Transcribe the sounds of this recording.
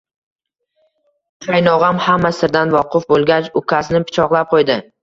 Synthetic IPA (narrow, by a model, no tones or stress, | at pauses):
t͡ʃʰajnɒʁɑmhamːasɪɾd̪anvɒqʰʊfbolˠɡʲat͡ʃʊkʰʲasɪnɪpʰɪ̥t͡ʃʰɒqlˠap̚qʰojd̪ɪ